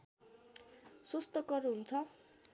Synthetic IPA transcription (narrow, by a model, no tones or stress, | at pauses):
sost̪ʌkʌruɦunt͡sʰʌ